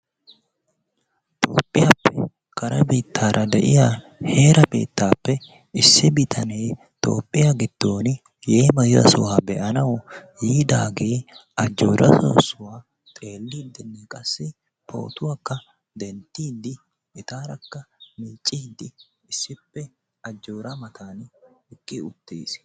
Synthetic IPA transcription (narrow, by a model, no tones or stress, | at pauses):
t̪ʼo̞̰ːpʼːɪjapːɛ | kɐɾɐ̰biːt̪ʰːaːɾʔɐd̪ɛʔɪ̰ja | heːɾɐbḛːt̪ʰːaːpːɛ | ɪsːɪbɪt̪ʰɐneː | t̪ʼo̞̰ːpʼːɪjaɡɪd̪̥ːo̞ːnɪ | jeːmɐjɪzɐ̰sʊwaːbɛʔɐnɐwjiːd̪aːɡeːɐd͡ʒːoːɾɐ̰so̰ːsʊwaː | t̪ʼe̞ːlːid̪ɪnːɛkʼɐsːɪ | pʰo̞̰ːt̪ʊwakːɐ | d̪ɛnt̪ːiːd̪ɪ | ʔɪt̪aːɾɐkːɐmiːt͡ʃʼːɪd̪ɪ | ɪsːɪpːɛ | ɐd͡ʒːoːɾɐmɐt̪ʰaːnɪkʼːɪʊt̪ːḛːs